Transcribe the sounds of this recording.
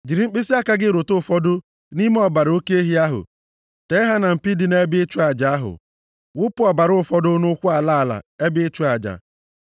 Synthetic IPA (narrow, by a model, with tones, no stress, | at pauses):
d͡ʒi˨ɾi˨ŋ͡m̩˦k͡pi˦si˦a˦ka˦ɡɪ˦ɾo˨tʊ˦˨fɔ˦dʊ˦ | ni˦m˦ɔ˨ba˨ɾo˦ke˦e˦ɦi˦a˦ɦʊ̰˨ | te˨˦ɪ˦ɦa˦na˨m̩˨pi˦di˨ne˦bɪ˦ɪ˦t͡ʃu˦a˨d͡ʒa˨a˦ɦʊ̰˨ | wʊ˦pʊ˦ɔ˨ba˨ɾʊ˦ʊ˦fɔ˦dʊ˦nʊ˦kʷʊ˦a˨la˦a˨la̰˨e˦bɪ˦e˦t͡ʃu˦a˨d͡ʒa̰˨